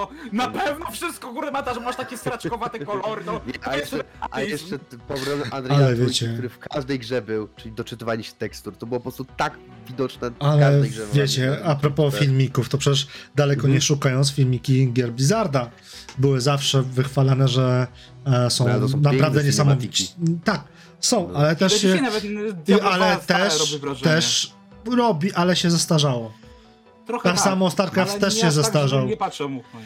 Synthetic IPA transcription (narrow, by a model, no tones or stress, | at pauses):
ɔnapɛvnɔfʂɨst̪kɔɡuɾɛmat̪aʐɛmaʂt̪akʲɛst̪ɾat͡ʃkɔvat̪ɛkɔlɔɾnɔɛajɛajɛʂɛpɔvɾɔnʔand̪ɾalɛvjɛt͡ɕɛuɾɘfkaʐd̪ɛjɡʐɛbɘwt͡ʂɘlʲid̪ɔt͡ʂɨt̪ɨvaliɕɛ̥t̪ɛkst̪uɾt̪ɔbɨwɔpɔpɾɔst̪ut̪ak | vʲid̪ɔt͡ʂnɛalɛɛvʲjet͡ɕɛapɾɔpɔfʲilmʲikuft̪ɔpʂɛt͡ɕɛʂd̪alɛkɔɲɛʂukajɔnsfʲilmʲikʲiɡʲjɛɾbʲizaɾd̪a | bɘwɘzafʂɛvɘxfalanɛʐɛ | sɔ̃w̃napɾavd̪ɛɲɛsamɔvʲit͡ɕt̪ak̚ | sɔ̃w̃ʔalɛt̪ɛʂɕɛ | iʔalɛt̪ɛʂɛʂ | ɾɔbʲiʔalɛɕɛzast̪aʐawɔ | t̪asamɔst̪aɾkɾaft̪t̪ːɛʂɕɛzast̪aʐaw